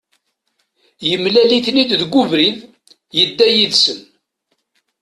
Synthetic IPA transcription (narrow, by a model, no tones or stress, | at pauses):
jəmlæliθnid̪ðɡʷuvɾið | jəd̪ːæjiðsən